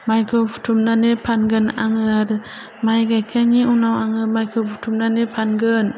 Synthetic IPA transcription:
majkʰɯpʰu̥tʰumnanepʰanɡɯna̰ŋɯaɾ | majɡajkʰaŋiunawaŋɯmajkʰɯpʰutʰumnanepʰanɡɯn

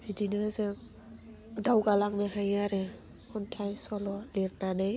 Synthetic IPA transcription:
b̥idinɯzɯ | dawɡalaŋnɯɦajaɾɯ | kʰɔntʰajsɔlɔliɾnanɯj

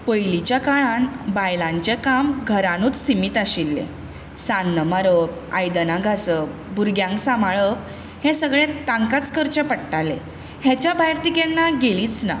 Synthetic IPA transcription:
pəjlit͡ɕjakaɭãnbajlãɲt͡ɕekamɡʱəɾãnuːt͡ssimiːt̪aɕilːḛ̃ | sanːəmaɾəpa̰jd̪ənaɡʱasəbʱuɾɡjãŋksamaɭəp | hẽsəɡɭẽt̪ãŋkat͡skəɾt͡ɕəpəɽʈalẽ | hɛt͡ɕjabajɾt̪ikenːaɡeliːt͡sna̰

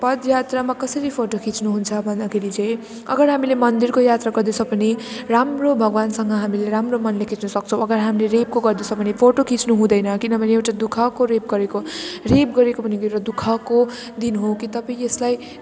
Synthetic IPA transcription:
pʌd̪jat̪ramakʌsʌɾipʰoʈokʰit͡snuɦunt͡sʰʌbʱʌnd̪akʰeɾit͡sʌ̃j̃ | ʌ̰ɡʌɾɦamilemʌnd̪irkojat̪raɡʌrd̪esʰʌpʌniramrobʱʌɡwansʌŋɡʌɦamileɾamromʌnlekʰit͡snʌsʌk̚t͡sʰʌ̃w̃ʌɡʌɾɦamileɾep̚koɡʌrd̪esʰʌbʌnipʰoʈokʰit͡snuɦũd̪ʌjnʌkinʌbʱʌneewʈad̪ukʰʌkoɾep̚ɡʌɾekorep̚ɡʌɾekobʌnikɾʌd̪ukʰʌko | d̪inɦokit̪ʌpaĩeslaj

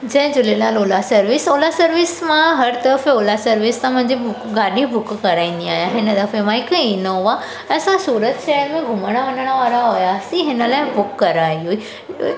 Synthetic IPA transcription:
d͡ʑɐ̃ɦɪ̃d͡ʑʊlenaːloːlasəɾʋɪsolasəɾʋɪsmãɦɐɾt̪əɾəfoːlasəɾʋɪst̪ãm̤ə̃ɦɲd͡ʑebʊkɡaɖĩbʱʊkkəɾaːĩnd̪iaːjãɦɪnəd̪afemãɪkəinəɦʊʋa | əsãsuːɾət̪ʃɛəɾmẽɡʱʊməɽ̃aʋənəɽ̃aʋaɾaɦojaːsĩɦɪnəlaːɪbʊkːɐɾaiɦui

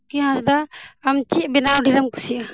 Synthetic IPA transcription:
kiɦãsd̪aːmt͡ʃibɛnawɖʱiɾamku̥sia

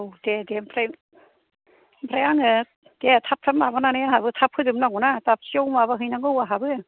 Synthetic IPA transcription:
wdedempʰɾe | mpʰɾajaŋɯ | d̥etʰap̚tʰamabananeaɦabɯtʰap̚ʰɯdɯmnaɡɔnatap̚siowmaβaɦɯjnaŋɯwaɦabɯ

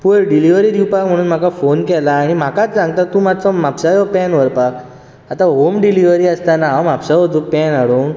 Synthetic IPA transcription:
puɭɖiliʋəɾiːd̪iwpakm̤əɽ̃uːnm̤akafonkɛlaːɽ̃im̤akat͡st͡sãŋɡt̪at̪umat͡sɔmapɕajɔpɛnʋəɾpak | at̪aɦomɖiliʋəɾiːəst̪anaɦaamapɕaɔd͡zupɛnaɽun

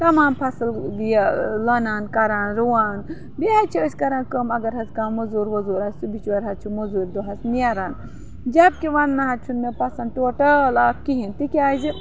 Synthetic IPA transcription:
t̪ɐmaːmpʰɐsɨldijalɐnaːnkɐɾaːnɾuwaːn | biɦat͡ʃʰiəsʲkɐɾaːnkəmɐɡɐɾɦɐskaːmmɐzuːɾʋɐzuːɾɐssubit͡ʃwɐɾɦɐt̪t͡ʃʰumuzuːɾʲd̪uɦɐsnijaɾaːn | d͡ʒɐb̚kiʋɐnːɐɦɐt͡ʃʰunmepɐsɐndʈoʈɐlaːk̚kiɦint̪ikʲiaːzi

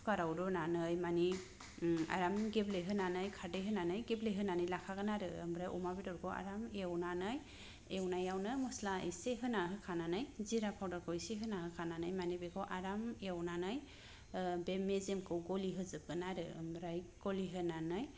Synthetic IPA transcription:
kaɾawdɔnanɯjmani | a̰ɾamɡebleɦɯnanɯjkʰadɯɦɯnanɯjɡebleɦɯnanɯjlakʰaɡɯnaɾɯɯmɾajʔɔ̰mabidɔɾkʰɔa̰ɾamewnanɯj | ewnajawnɯmɔslaiseɦɯnaɦɯkʰananɯjziɾapʰawdɔɾkɔjseɦɯnahɯkʰananɯjmanibɛɡʰɔʔaɾamewnanɯj | bemezemkɯwɡɔliɦɯzɯb̚ɡɯnaɾɯɯ̰mɾajɡ̥ɔliɦɯnanɯj

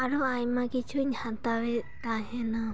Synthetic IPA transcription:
aɾuajmakit͡ʃʰuɲãt̪awe | t̪aɦena

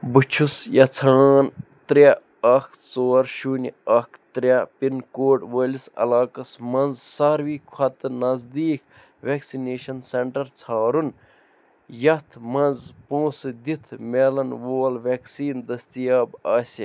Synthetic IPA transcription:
but͡ʃʰusjɐt͡sʰaːnt̪ɾʲɐ | ɐkʰ | t͡soːɾʃuːnʲiɐkʰt̪ɾʲɐpinkoːʈʋelisɐ̰laːkɐsmɐ̃nzsɐɾʋiːkʰɐt̪ɨnɐzd̪iːk | ʋeːksineːʃɐnseɳʈɐɾt͡sʰaːɾun | jɐt̪ʰmɐnzpõːsd̪it̪ʰmʲeːlɐnʋoːlʋeːksiːnd̪ɐst̪ijaːbaːsʲi

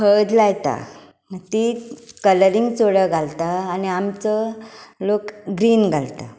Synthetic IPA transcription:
həd̪lajt̪a̰ | t̪ikələɾiŋɡt͡soɽəɡʱalt̪aːniamt͡səlokɡɾiːnɡʱalt̪a̰

